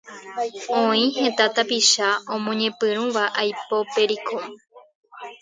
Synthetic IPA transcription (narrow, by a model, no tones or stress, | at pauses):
õĩhẽ̞t̪at̪apiʃaõmõɲẽ̞pɨɾ̃ũʋaʔajpo̞pe̞ɾikʰo